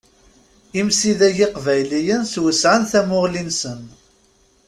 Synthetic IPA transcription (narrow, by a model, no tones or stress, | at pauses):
imsiðæʝiqvæjlijənswəsʕənθæmʊʁlinsən